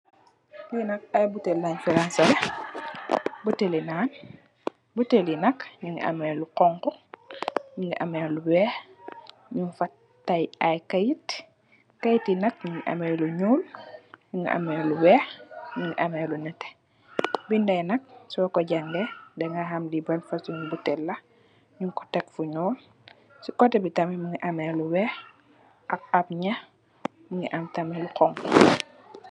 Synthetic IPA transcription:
binɐk̚ajbutelːaɲfiɾansale | butelinaːn | butelinɐkɲuŋ̰ʔa̰meluqɔŋkɔ | ɲuŋɡiʔameluwɛːx | ɲunfat | tːajajkajit | kajitːinɐk̚ɲuŋʔa̰mɛluɲuːlɲuŋɡḭʔɐ̰mɛluwɛːxɲuŋɡiʔɐmɛlunɛtɛ̥ | bindɐjnɐk̚sɔɔkɔɟaŋɡɛdɛŋɡaɦɐmlibɐlfɐsuŋbutɛlːɐ | ɲuŋkɔ̥tɛkfuɲɔːl | sukɔtɛbitɐmɛmuŋɡiʔɐmɛːluwɛːx | ʔɐkɐp̚ɲɐ | muŋɡiʔɐmtɐmɛlukɔŋkɔ

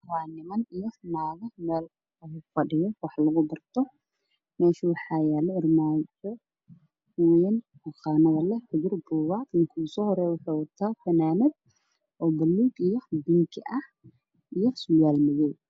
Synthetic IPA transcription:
waːnɪmɐnijɔnaːɣɐmɛːl | ɐɣʊfɐɖɪjɔwɑħlɐɣʊbɐrt̪ʰɔ | mɛːʃiwɑħɑːjɛːlɛɪrmaːnħʊ | ujɛn | hʊqɑːnɐðɐlɛħɪd͡ʒɪrbuːwaːt̪lɪŋkʰʊsɔːhɔɾɛːwʊħawɐt̪ʰaːfɐnaːmɛd̪̚ | ʔɔːbɐlːuːɡijɔbɪŋkʰɪʔɐh | ijɔsʊjaːlmɪjɛːj

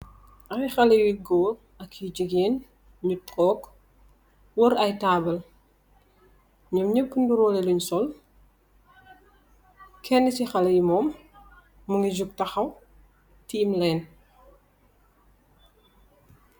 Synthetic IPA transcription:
ʔɐwixɐlɐwiɡɔːl | ɐkʰːid͡ʒəɡeːn | ɲutɔːk | wɔɾɐjtaːbɐl | ɲɔmɲəpːunduɾɔːleluɲsɔl | kʰɛnːisixɐlɐjimɔːmː | uŋɡid͡ʒuk̚tɐxɐw | tiːmlɛn

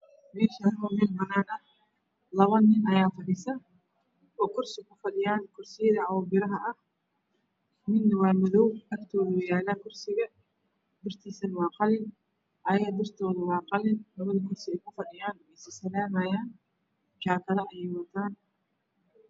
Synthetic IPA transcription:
mɛːʃɐmɔmɪlbɐnaːnɐ | lɐβɐnːɪnʔɐjaːfɐħɪsɐ | ɔːkʰʊrsɪkʰʊfɐɗɪjaːnkʰʊrsɪjɐðɐʕawɔbɪɾɐɦɐʔɐh | mɪnnɐwaːmɔðɔwʔɐɡt̪ʰɔːðʊwɑjaːlaːkʰʊrsɪɣɐ | d̪ɪrt̪ʰiːsɐnwɑːqɑlɪn | ʔɐjɐɣɐd̪ɪrt̪ʰɔːðɐwɑːqɑlɪnlɐβɐðɐkʰʊrsɪɛjkʰʊfɐɗɪjaːnɛjsɪsɐlaːnɐjaːn | t͡ʃaːkʰɐðɐʔɛjɛjwɐt̪ʰaːn

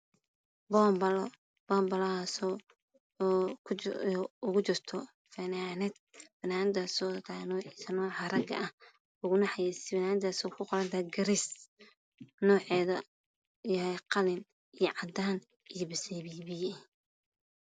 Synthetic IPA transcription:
bɔmbɐl | b̥ɔmbɐlɐaːsɔ | kʰ | ʊɣʊt͡ʃɪrt̪ʰɔ | fɐnaːnɪd̪̚fɐnaːnɪd̪aːsɔːt̪ʰanɔːʕiːsɐnɔːʕɑrɐɡɐ̰ʔɐh | ʊɣʊnɑħɑjɛsbnaːnɪd̪aːsɔːkʰʊqɔɾɐnt̪ʰaɡɐɾis | nɔːʕɛːðɐ | jɐhɛjqɑlɪn | ijɔʕɑd̪aːn | ijɔbɪsɛβiːβɪjɛ

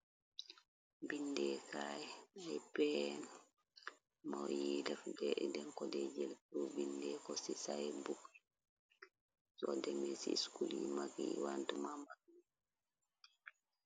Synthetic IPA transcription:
binːdɛkajɛɛjpɛn | mɔjidafdɛʔɛdɛnkɔdɛd͡ʒɛltubindɛkɔsisajɛbuk | sɔdɛmɛsiskulimaɡiwantumamak̚

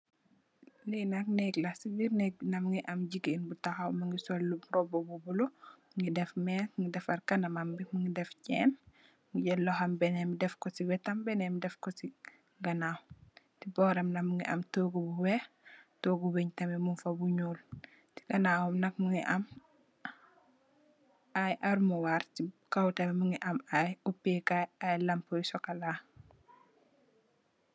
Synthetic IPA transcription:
linaknɛɡlasibiɾnɛk̚nɐmŋɡiʔɐmɟiɡenbutaxawmɐŋɡisɔlːubɾɔbobubulo | ŋɡidɛfmɛtŋɡidɛfɐrkɐnɐmambimuŋɡidɛfcɛːn | ŋɡiɟɛlːɔxambɛnɛmidɛfkɔsiwɛtɐmbɛnɛmidɛfkɔsi | ɡɐnawtibɔːɾɐmnɐkmuŋɡiʔɐ̰mtoɡubuwɛ | toːɡuweɲtɐmɛmunfɐbuɲuːl | ti̥ɡɐnaːwɐmnɐkmuŋiʔɐm | ʔajʔaɾumuwaɾtikɐwtɐmɛmuŋɡiʔɐmajupːikaajlɐmpɔjsɔkɐla

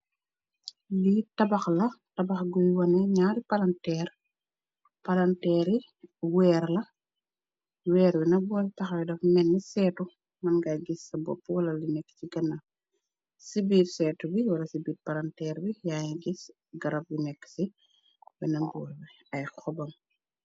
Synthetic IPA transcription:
litɐbɐxlɐtɐbɐxɡujwɐnɛɲaːɾipɐlɐntɛːr | pɐlɐntɛːɾi | wɛːɾlɐ | wɛːɾwinɐbɔltɐxwɛdɐfmɛnːəsɛːtu | mɐnɡajɡisːɐbɔ̰pːwɐlɐlinɛkːciɡɐnɐ | sibiːɾsɛːtubiwɐlɐsibiːɾpɐlɐntɛːɾwijaːjiɡis | ɡɐɾɐb̚winɛkːsi | bɛnɐmbɔːɾbi | ɐjxɔbɐm

